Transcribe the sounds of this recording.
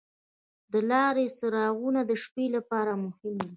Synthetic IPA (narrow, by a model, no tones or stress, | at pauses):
d̪əlɑɾesəɾɑɣunad̪əʃpelapɑɾamʊhɪmd̪i